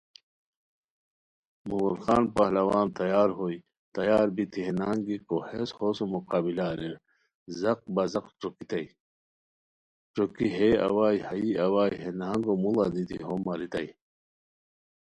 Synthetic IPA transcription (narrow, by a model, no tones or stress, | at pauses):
mumulxaːnpaɦlɐwaːnt̪ɐjaːɾɦoːi | t̪ɐjaːɾbit̪ʰiɦenaːŋɡikoheshoːsomuqaːbilaːɾeɾ | zɐq̚bɐzɐqʈ͡ʂokit̪ɐi | ʈ͡ʂokiɦeɐ̰waːihɐiɐwaːjɦenaːŋɡomulanit̪ʰḭɦomɐɾit̪ɐi